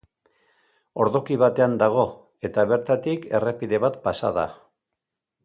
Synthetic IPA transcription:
o̞ɾðo̞kiβat̪e̞and̪aɣ̞o̞ | e̞t̪aβ̞e̞ɾt̪at̪ike̞re̞piðe̞βat̪pasa̰ða̰

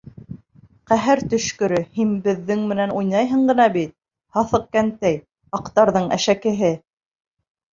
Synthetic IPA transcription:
qæɦɘɾt̪ɵ̆ʃkɵ̆ɾɵhinbɘ̆ðːɘŋmɘ̆nænujnɑjɦɤ̆ɴɢɤ̆nɑbit̪̚ | hɑθɤ̆q̚kænt̪æj | ɑqt̪ɑɾðɤɴæ̰ʃækɘ̆ɦɘ

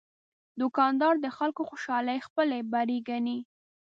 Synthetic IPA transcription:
d̪ʊkɑnd̪ɑɾd̪əxalkoxoʃɑləjxpəlebaɾiɡani

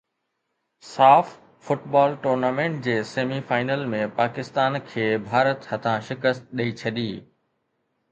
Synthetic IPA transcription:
saːfː | ʊʈbaːlʈoːɾnaːmẽːɳʈ̚d͡ʑeːseːmifaːɪnəlmẽpaːkɪst̪aːnkʰeːbʱaːɾət̪hɐt̪ʰãʃɪkəst̪̚ɗəit͡ɕʰɐɗiː

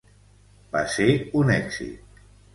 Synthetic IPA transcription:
ba̰seunɛɡz̥ḭt̪̚

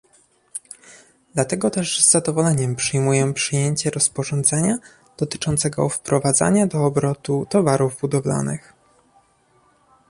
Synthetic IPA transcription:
d̪lat̪ɛɡɔt̪ɛʐzːad̪ɔvɔlɛɲɛmpʂɘjmujɛpʂɘjeɲt͡ɕɛɾɔspɔʐɔnd̪zɛɲa | d̪̥ɔt̪ɘ̥t͡ʂɔnt̪sɛɡɔ̰fpɾɔvad̪za̰ɲad̪ɔːbɾɔt̪ut̪ɔvaɾuvbud̪ɔvla̰nɘ̰x

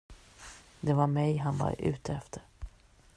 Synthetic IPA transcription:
d̪ɛvaɾmɛjɦanva̰ɾʉ̟̰ːt̪ʰəɛft̪ʰəɾ

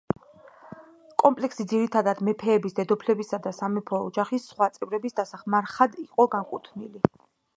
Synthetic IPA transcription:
kʼɔmpʼlɛksid̪ziɾit̪ʰad̪ad̪mɛpʰɛːbisd̪ɛd̪ɔpʰlɛbisad̪asamɛpʰɔːd͡ʒaχisːχwat̪sʼɛvɾɛbisd̪asaχmaɾχad̪iqʼɔɡaŋkʼut̪ʰnili

